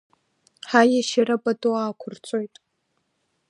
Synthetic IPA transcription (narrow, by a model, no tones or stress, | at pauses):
ħajaʃaɾapʼatʼoaːkʷʰʊrt͡sʷʼojtʼ